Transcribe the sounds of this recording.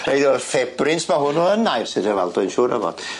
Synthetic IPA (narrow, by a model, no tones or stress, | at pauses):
rejdɔfɛbrɪnsmaɦʊnɔənajrsɪtəva̰lˠdʊɨnʃuːɾə̰vɔ̰d̥